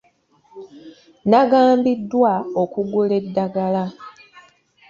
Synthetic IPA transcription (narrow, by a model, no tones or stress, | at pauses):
naɡaːmbidːwaokuɡule̞dːaɡala